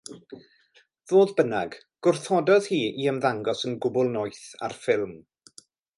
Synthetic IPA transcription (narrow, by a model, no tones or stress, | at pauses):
ðoːðbənaɡ | ɡ̥ʊrθɔdɔðhiːiəmðaŋɡɔsənɡʊbʊlˠnɔjθa̰rfɪlˠm